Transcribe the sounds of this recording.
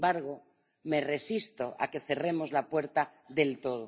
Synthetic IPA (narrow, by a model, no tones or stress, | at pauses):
baɾɣo | me̞re̞sist̪oʔa̰ke̞θe̞re̞mozlapwe̞ɾt̪a | ðe̞lt̪o̞ðo